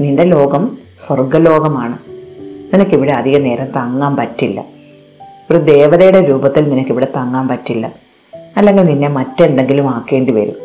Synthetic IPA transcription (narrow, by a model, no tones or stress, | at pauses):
niːɳɖe̞lo̞ːɡɐm | forɡɐlo̞ːɡɐmaːɳɨninɐkːiʋiɽeɐd̪ʱiɣɐne̞ːɾɐmt̪ɐŋːaːmpɐtːilːɐ̰ | oɾud̪e̞ːʋɐðɐjuɽe̞ɾuːbɐt̪ːilninɐkːiʋiɽe̞t̪ɐŋːaːmpɐtːilːɐ | ɐlːe̞ŋɡilninːe̞mɐtːend̪e̞ŋɡilumaːkːe̞ːɳɖɨʋɐɾṵm